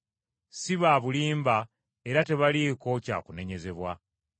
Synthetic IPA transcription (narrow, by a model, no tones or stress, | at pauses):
siβaːβuliːmba | eɾate̞βaliko̞ca̰ːkune̞ɲe̞ze̞βwa